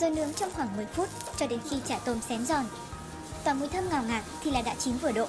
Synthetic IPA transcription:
zɔ˨˦nɨ̰˨˦əŋt͡ɕɔ˧wŋ͡mxwaː˧˩ŋmɨ˨˩əjfu˦˥t̚ | t͡ɕɔ˧ɗe˨˦nxi˧t͡ɕaː˧˩t̪o˧msɛ˨˦mzɔ˨˩n | t̪waː˨˩ŋu˧˩əjt̪ʰə˧mŋaː˨˩wŋaː˨˩t̚t̪ʰi˨˩laː˨˩ɗa̰ː˧˥t͡ɕi˨˦nvɨ˧˩əɗo̰˧˨

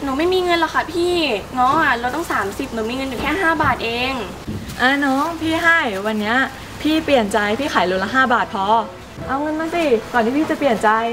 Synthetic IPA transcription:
nɔː˩˦ma˥˩jmiː˧ŋɤ˧nlɔ˨˩kʰa˧˩pʰiː˥˩nɔ˦˥˩ɾa˧wt̪ɔ˥˩ŋsaː˩˦msi˨˩p̚nɔ˩˦miː˧ŋɤ˧njuː˨˩kʰɛː˥˩ɦaː˥˩baː˨˩t̪̚ʔeː˧ŋ | ʔaː˧nɔː˦˥ŋpʰiː˥˩ɦa˥˩jwa˧nːi˦˥ɐ | pʰiː˥˩pli˨˩ənt͡ɕa˧jpʰiː˥˩xʰaː˩˦jlu˧la˧˥ɦaː˥˩baː˨˩t̪̚pʰɔː˧ | ʔa˧wŋɤ˧nma˧ŋsi˨˩kɔː˨˩nʰiː˦˥pʰiː˥˩t͡ɕa˨˩pli˨˩ənt͡ɕa˧j

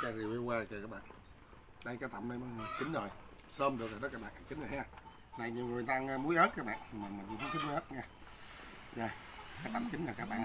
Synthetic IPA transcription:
t͡ɕa˧˩zi˨˩wʔi˧waː˧˨˩jt͡ɕaː˨˩kaː˦˥k̚ɓa̰ː˧˨ | ɗə˧jkaː˨˦t̪a˧˩mɗə˧jma˧˨˩t͡ɕï˨˦ŋ̟zo˨˩j | səː˧mɗɨ˨˩ək̚aː˨˩ɗəː˨˦kaː˦˥kɓa̰ː˧˨nʔa˧˩t͡ɕï˨˦nzə˨˩haː˧˩ | na˨˩jɲi˨wŋɨ˨˩˨t̪aː˧ŋ˧mu˨˦əjʔəː˦˥t̚kaː˦˥k̚ɓa̰ː˧˨nʰi˨˩maː˨˩mi˨˩ŋ˧˩hʰt̪ʰi˦˥mu˦əː˦˥t̚ŋɛː˧ | zə˨˩˨ | kaː˨˦t̪a˧˨mt͡ɕi˨˦n̟zaː˨˩kaː˦˥k̚ɓa̰ː˧˨n

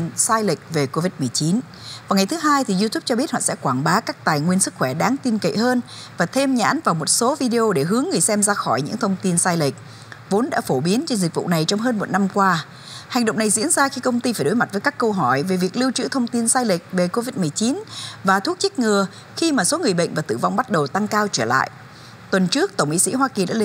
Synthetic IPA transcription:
saː˧jlï˨˩k̟̚ve˨˩ko˧vi˦˥t̚mɨ˨˩ət͡ɕi˨˦n | vaː˨˩wŋa˨˩jt̪ʰɨ˨˦ɦaː˧jt̪ʰi˨˩zu˧t̪ʰu˦˥p̚t͡ɕɔ˧ɓi˦˥ət̚hɔ̰˧˨sɛ̰˧˥kwaː˧˩nɓaː˨˦kaː˦˥k̚t̪aː˨˩jŋwi˧ənsɨ˦˥k̚xwɛ˧˩ɗaː˨˦ŋt̪i˧nkə̰˧˨həː˧n | vaː˨˩t̪ʰe˧mɲa̰ː˧˥nvaː˨˩wmo˨˩t̚so˨˦vi˧ɗe˧ʔo˧ɗe˧˩ɦɨ˨˦əŋːɨ˨˩əjsɛ˧mzaː˧xɔ˧˩jɲɨ̰˧˥ŋt̪ʰə˧wŋ͡mt̪i˧nsaː˧jlï˨˩k̟̚ | vo˨˦nɗa̰ː˧˥fo˧˩ɓi˨˦ənt͡ɕe˧nzi˨˩k̟̚vṵ˧˨na˨˩jt͡ɕɔ˧wŋ͡mɦəː˧nmo˨˩t̚na˧mkwaː˧ | ha˨˩jŋ̟ɗo̰˧˨wŋ͡mna˨˩jzḭ˧˥ənzaː˧xi˧kə˧wŋ͡mt̪i˧faː˧˩jɗo˨˦jma˨˩t̚vəː˨˦jkaː˦˥kːə˧wɦɔ˧˩jve˨˩vi˨˩ək̚li˧wt͡ɕɨ̰˧˥t̪ʰə˧wŋ͡mt̪i˧nsaː˧jli˨˩k̟̚ve˨˩ko˧vi˦˥t̚mɨ˨˩əjt͡ɕi˨˦nvaː˨˩t̪ʰu˦˥ək̚t͡ɕi˦˥k̟̚ŋɨ˨˩ə | xi˧maː˨˩so˨˦ŋɨ˨˩əjɓə̰˧˨jŋ̟vaː˨˩t̪ɨ˧˩va˧wŋ͡mɓa˦˥t̚ɗə˨˩wt̪a˧ŋkaː˧wt͡ɕəː˧˩la̰ː˧˨jʔ | t̪wə˨˩nt͡ɕɨ˦˥ək̚t̪ə˧˩wŋ͡mmḭ˧˥sḭ˧˥ɦwaː˧ki˨˩ɗa̰ː˧˥˧

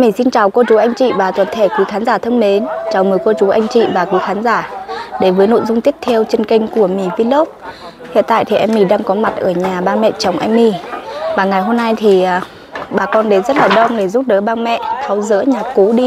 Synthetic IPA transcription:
mi˧˩si˧nt͡ɕaː˨˩wko˧t͡ɕu˨˦ʔa˧jŋ̟t͡ɕḭ˧˨vaː˨˩t̪wə˨˩nt̪ʰe˧˩kwi˨˦xaː˨˦nzaː˧˩t̪ʰə˧ŋme˨˦nt͡ɕaː˨˩wmɨ˨˩jko˧t͡ɕu˨˦ʔa˧jŋ̟t͡ɕḭ˧˨vaː˨˩kwi˨˦xaː˨˦nzaː˧˩ɗe˧˩vəː˨˦jno̰˧˨jzʊ˧ŋ͡mt̪i˦˥əp̚t̪ʰɛ˧əwt͡ɕe˧nkï˧ŋ̟ku˧˩əmi˧˩vi˧lo˦˥p̚ | hḭ˧˨ənt̪a̰ː˧˨t̪i˨˩ʔɛ˧mmi˧˩ɗaː˧ŋkɔ˨˦ma˨˩t̚ʔəː˧˩ɲaː˨˩ɓaː˧nmɛ̰˧˨t͡ɕa˨˩wŋ͡mʔa̰˧jŋ̟mi˧˩vaː˨˩ŋa˨˩jɦo˧mna˧jt̪ʰi˨˩ʔəː˨˩ | ɓaː˨˩kɔ˧nɗe˨˦nzə˦˥t̚laː˨˩ɗə˧wŋ͡mɗe˧˩zu˦˥p̚ɗəː˨˦ɓaː˧nmɛ̰˧˨t̪ʰa˨˦wzɨ̰˧˥ɲaː˨˩ku˨˦ɗi˧

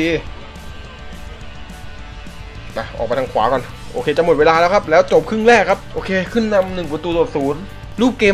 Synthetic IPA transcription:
iː˧ | na˧˩ʔɔ̰ː˨˩pa˧t̪ʰa˧ŋkʰwaː˩˦˥kɔ˧˩n | ʔo̰ː˧kʰeː˧t͡ɕa˧˩mo˨˩t̪̚weː˧laː˧lɛː˦˥wkʰa˦˥p̚lɛː˦˥wt͡ɕo˨˩p̚kʰɯ˥˩ŋɾɛː˥˩kʰːa˦˥p̚ʔoː˧kʰeː˧kʰɯ˥˩nːa˧mnɯ˨˩ŋk̬wt̪uː˧t̪o˨˩p̚suː˩˦n | luː˥˩p̚kːeː˧

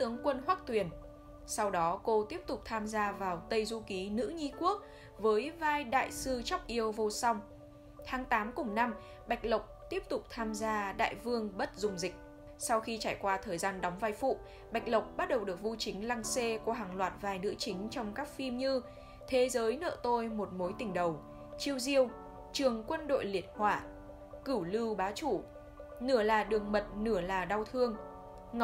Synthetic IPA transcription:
t̪ɨ˨˦əŋkwə˧nɦwaː˦˥k̚t̪wi˨˩ən | sa˧wɗɔ˨˦ko˧t̪i˦˥əp̚t̪ʊ˨˩k͡p̚t̪ʰaː˧mzaː˧vaː˨˩wt̪ə˧jzu˧ki˨˦nɨ̰˧˥ɲi˧ku˦˥ək̚ | vəː˨˦jvaː˧jɗa̰ː˧˨jsɨ˧t͡ɕɔ˦˥wk͡p̚ʔi˧əwvo˧sa˧wŋ͡m | t̪ʰaː˨˦ŋt̪aː˨˦mkʊ˨˩ŋ͡mna˧m | ɓa˨˩jk̚lə˨˩wk͡p̚t̪i˦˥əp̚t̪ʊ˨˩k͡p̚t̪ʰaː˧mzaː˧ɗa̰ː˧˨jvɨ˧əŋɓə˦˥t̚zʊ˨˩ŋ͡mzï˨˩k̟̚ | sa˧wxi˧t͡ɕaː˧˩jkwaː˧t̪ʰəː˨˩jzaː˧nɗɔ˨˦wŋ͡mva˧jfṵ˧˨ | ɓa˨˩jk̟̚lə˨˩wk͡p̚ɓa˦˥t̚ɗə˨˩wɗɨ˨˩ək̚vu˧t͡ɕï˨˦ŋ̟la˧ŋse˧kəɦaː˨˩ŋlwaː˨˩t̚vaː˨˩jnɨ̰˧˥ət͡ɕï˨˦ŋ̟t͡ɕɔ˧wŋ͡mkaː˦˥k̚fi˧mɲɨ˧ | t̪ʰe˨˦zəː˨˦jnə̰ː˧˨t̪o˧jmo˨˩t̚mo˨˦jt̪ï˨˩ŋ̟ɗə˨˩w | t͡ɕi˧əwzi˧əw | t͡ɕɨ˨˩əŋkwə˧nɗo̰˧˨jli˨˩ət̚hwaː˧˩ | kɨ˧˩wlɨ˧wɓaː˨˦t͡ɕu˧˩ | nɨ˧˩əlaː˨˩ɗɨ˨˩əŋmə˨˩t̚nɨ˧˩əlaː˨˩ɗa˧wt̪ʰɨ˧əŋ | ŋ˨

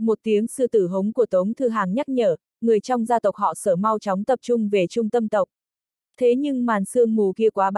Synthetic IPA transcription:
mo˨˩t̚t̪i˨˦əŋsɨ̰˧t̪ɨ˧˩ɦə˨˦wŋ͡mku˧˩ət̪ə˨˦wŋ͡mt̪ʰɨ˧˩ɦaː˨˩ŋɲa˦˥k̚ɲəː˧˩ | ŋɨ˨˩əjt͡ɕɔ˧wŋ͡mzaː˧t̪ə˨˩wk͡p̚hɔ̰˧˨səː˧˩ma˧wt͡ɕɔ˨˦wŋ͡mt̪ə˨˩p̚t͡ɕʊ˧ŋ͡mve˨˩t͡ɕʊ˧ŋ͡mt̪ə˧mt̪ə˨˩wk͡p̚ | t̪ʰe˨˦ɲɨ˧ŋmaː˨˩nsɨ˧əŋmu˨˩ki˧əkwaː˨˦ɓ

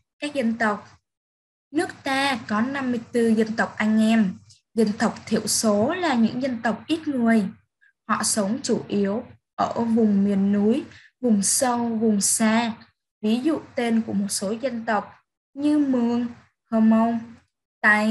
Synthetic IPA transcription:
kaː˦˥k̚zə˧nt̪ə˨˩wk͡p̚ | nɨ˦˥ək̚t̪aː˧kɔ˨˦na˧mːɨ˧əjt̪ɨ˧zə˧nt̪ə˨˩wk͡p̚ʔa˧jŋ̟ʔɛ˧m | zə˧nt̪ə˨˩wk͡p̚t̪ʰḭ˧˩əwso˨˦laː˨˩ɲɨ̰˧˥ŋzə˧nt̪ə˨˩wk͡p̚ʔi˦˥t̚ŋɨ˨˩əj | hɔ̰˧˨sə˨˦wŋ͡mt͡ɕu˧˩ʔi˨˦əw | ʔəː˧˩vʊ˨˩ŋ͡mmi˨˩ənːu˨˦j | vʊ˨˩ŋ͡msə˧wvʊ˨˩ŋ͡msaː˧ | vi˨˦zṵ˧˨t̪e˧nku˧˩əmo˨˩t̚so˨˦zə˧nt̪ə˨˩wk͡p̚ | ɲɨ˧mɨ˧˩əŋ | həː˧mə˧wŋ͡m | t̪a̰ː˧˨j

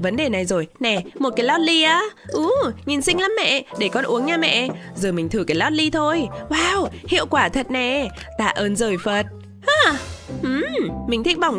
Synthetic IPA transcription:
və˨˦nɗe˨˩na˨˩jzo˨˩jnɛ˨˩mo˨˩t̚ka˨˦jlɔ˦˥t̚li˧ʔaː˨˦ʔu˨˦ŋi˨˩nsï˧ŋ̟la˨˦mːɛ̰˧˨ɗe˧˩kɔ˨˦nʔu˨˦əŋɲaː˧mɛ̰˧˨zəː˨˩mï˨˩ŋ̟t̪ʰɨ˧˩kaː˨˦jlɔ˦˥t̚li˧t̪ʰo˧jwaː˧whḭ˧˨əwkwaː˧˩t̪ʰə˨˩t̚nɛ˨˩ | t̪a̰ː˧˨ʔəː˧nzəː˨˩jfə˨˩t̚ | ʔaː˨˧˩ʔɨ˧˩mmï˨˩ŋ̟t̪ʰi˦˥k̚ɓa˨˩wŋ͡m

